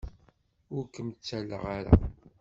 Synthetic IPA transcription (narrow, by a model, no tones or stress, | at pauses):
ʊɾkːəmt͡sːælːə̰ʁaɾa̰